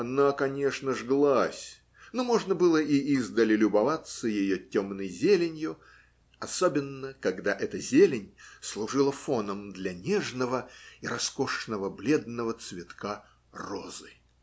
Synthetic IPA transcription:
ɐnakɐnʲeʂnəʐɡlˠasʲ | nomo̞ʐnəbɨlˠəʔiizd̪əlʲɪlʲʊbɐvat̪səjɪjotʲomnəjzʲelʲɪnʲjʊ | ɐsobʲɪnːəkɐɡd̪aʔɛt̪əzʲelʲɪnʲslˠʊʐɨlˠəfo̞nəmd̪lʲɐnʲeʐnəvəiɾɐskoʂnəvəblʲe̞d̪nəvət̪svʲɪt̪ka | rozɨ

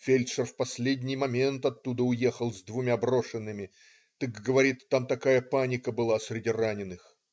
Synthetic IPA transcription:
fʲelʲtʂərfpɐsʲlʲedʲnʲɪjmɐmʲe̞nt̪ɐt̪ːud̪əʊje̞xəlˠzd̪vʊmʲabro̞ʂɨnːɨmʲɪ | t̪ɨkɡəvɐɾʲit̪ːamt̪ɐkajəpanʲɪkəbɨlˠasʲɾʲɪdʲiranʲɪnɨx

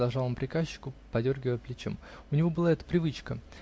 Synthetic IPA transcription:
ɐlˠʐɑlˠmpɾʲɪkaɕːɪ̥kʊpɐdʲo̞rɡʲɪvəjəplʲɪt͡ɕo̰mʊnʲɪvo̞bɨlˠaɛt̪ə̥pɾʲɪvɨt͡ɕkə

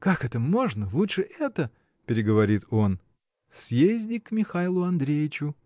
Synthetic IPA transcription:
kakɛt̪əmo̞ʐnəlˠutʂɨʔɛt̪ə | pʲɪɾʲɪɡəvɐɾʲit̪ʰo̞n | sʲjezʲdʲɪkmʲɪxajlˠʊɐnd̪ɾʲejɪt͡ɕʊ

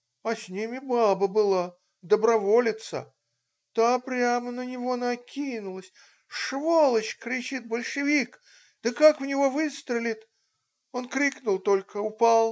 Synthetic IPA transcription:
ɐsʲnʲimʲɪbabəbɨlˠa | d̪əbɾɐvolʲɪt̪sə̰ | t̪apɾʲamənənʲɪvo̞nɐkʲinʊlˠəsʲ | ʂvolˠət͡ɕkɾʲɪt͡ɕit̪̚bəlʲʂɨvʲik | d̪̥əkakʊvnʲɪvo̞vɨst̪ɾʲɪlʲɪt̪ | o̞nkɾʲiknʊlˠt̪olʲkəʊpɑlˠ

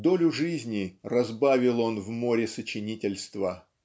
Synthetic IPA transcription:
d̪o̞lʲʊʐɨzʲnʲɪrɐzbavʲɪlˠo̞nvmo̞ɾʲɪsət͡ɕɪnʲitʲɪlʲst̪və

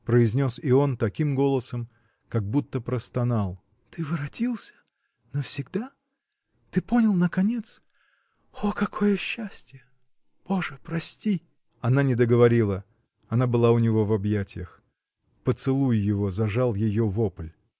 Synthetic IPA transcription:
pɾəɪzʲnʲo̞sɪo̞nt̪ɐkʲimɡo̞lˠəsəm | kɐɡ̚but̪ːəpɾəst̪ɐnalˠ | t̪ɨvɨɾɐtʲilˠsʲə̥ | nofsʲɪɡd̪a | t̪ɨpo̞nʲɪlˠnəkɐnʲe̞t̪s | okɐkʰo̞jəɕːæsʲtʲjə | b̥o̞ʐɨpɾɐsʲtʲi | ɐnanʲɪd̪əɡəvɐɾʲilˠə | ɐnabɨlˠaʊnʲɪvo̞vɐbjætʲɪjəx | pət̪sɨlˠujjɪvo̞zɐʐalˠjɪjovopəlʲ

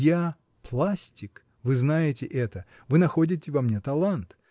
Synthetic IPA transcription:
ja | plˠasʲtʲɪk | vɨznajɪtʲɪʔɛt̪ə | vɨnɐxodʲɪtʲɪvɐmnʲet̪ɐlˠant̪

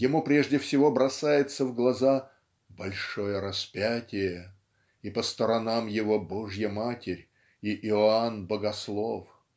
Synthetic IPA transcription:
jɪmupɾʲeʐdʲɪfsʲɪvobɾɐsajɪt̪səvɡlˠɐza | bɐlʲʂo̞jəɾɐspʲætʲɪjə | ipəst̪əɾɐnamjɪvo̞bo̞ʐjəmatʲɪɾʲ | iʔɪanbəɡɐslˠo̞f

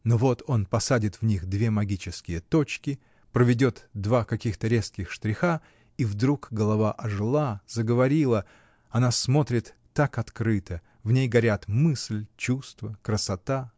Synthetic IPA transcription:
novo̞t̪ʰo̞npɐsadʲɪt̪vnʲixd̪vʲe̞mɐɡʲit͡ɕɪskʲɪjət̪o̞t͡ɕkʲɪ | pɾəvʲɪdʲo̞t̪d̪vakɐkʲixt̪əɾʲe̞skʲɪxʂt̪ɾʲɪxa | ivd̪ɾukɡəlˠɐvaʔɐʐɨlˠazəɡəvɐɾʲilˠə | ɐnasmo̞t̪ɾʲɪt̪ːakɐt̪kɾɨt̪ə | vnʲejɡɐɾʲat̪mɨslʲt͡ɕust̪vəkɾəsɐt̪a

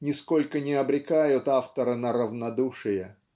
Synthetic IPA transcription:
nʲɪsko̞lʲkənʲɪɐbɾʲɪkajʊt̪aft̪əɾɨnəɾəvnɐd̪uʂɨjə

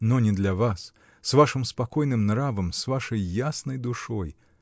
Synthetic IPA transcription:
nɔnʲɛd̪lʲɐvas | svaʂɨmspakɔjnɨmnɾavɐmsvaʂɐjːasnɐjd̪uʂɔj

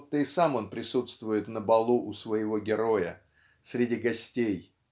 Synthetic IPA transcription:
t̪ːəɪsamo̞npɾʲɪsut̪st̪vʊjɪt̪nəbɐlˠuʔʊsvəjɪvo̞ɡʲɪɾo̞jə̰ | sʲɾʲɪdʲiɡɐsʲtʲej

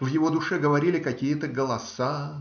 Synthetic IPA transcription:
vjɪvo̞d̪ʊʂɛɡəvɐɾʲilʲɪkɐkʲijət̪əɡəlˠɐsa

